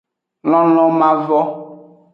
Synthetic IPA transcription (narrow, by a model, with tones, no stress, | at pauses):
lɔ̃˦lɔ̃˦mã˦vɔ˦